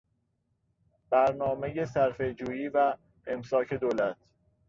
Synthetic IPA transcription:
b̥æɾnɒːmeje̞sæɾfe̞d͡ʒuːjiːvæ | emsɒːcʰe̞d̪oːlæt̪ʰ

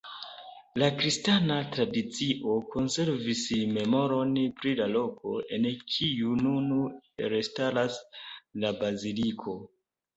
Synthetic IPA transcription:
lakɾistanatɾadit͡siʔo̞ko̞nse̞ɾvisme̞mo̞ɾo̞npɾilalo̞ko̞̰e̞nkʰijununuɾestaɾaslabazilikʰo̞

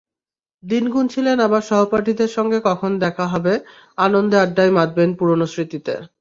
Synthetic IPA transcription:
d̪inɡunt͡ɕʰilenabaɾʃɔɦopaɾʈʰid̪eɾʃɔŋɡekɔkʰond̪ɛkʰaɦɔbe | anond̪eaɖːajmad̪̚benpuɾonosɾit̪it̪ḛ

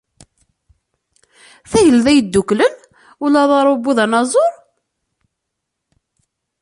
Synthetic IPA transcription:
θæjəlðæjəd̪ːuklən | ulæðˤɑɾˤubːuðænɑzˤoɾˤ

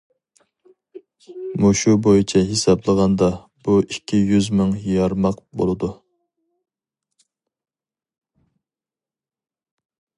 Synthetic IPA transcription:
muʃubojɪt͡ʃʰɛɦesɑblˠəʁɑnd̪ɑ | b̥uikʲʰːijyzmɪŋjɑɾmɑq̚bo̰lˠɨd̪u

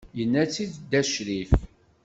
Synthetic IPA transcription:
jənːæt͡sːiðd̪æʃɾif

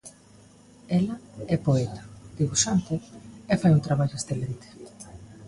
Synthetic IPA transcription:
ɛlɐɛpoɛt̪ḁd̪̥iβuʃant̪eefajut̪ɾaβaʎʊesθelent̪e̥

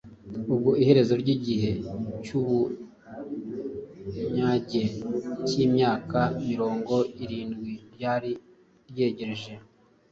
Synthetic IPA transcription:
ub̚ɡoʔihe̞ɾe̞zo̞ɾɟiɟihe̞cuβu | ɲaɟe̞cimɲaːkamiɾo̞ːŋɡo̞iɾiːnɡwiɾjaːɾi | ɾje̞ːɟeɾeʒe̞

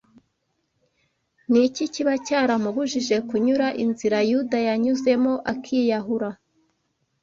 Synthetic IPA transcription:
niciciβacaːɾamuβuʒiʒe̞kuɲuɾaʔinziɾajudajaɲuze̞mo̞ʔakʰiːjaɦuɾa

